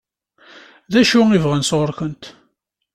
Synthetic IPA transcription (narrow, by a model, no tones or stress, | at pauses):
ðæʃuivʁənsʁəɾkənt̪